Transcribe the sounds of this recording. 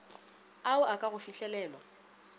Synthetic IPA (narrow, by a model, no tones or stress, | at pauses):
aʊʔakʼaɣʊfiɬɛlɛːlwa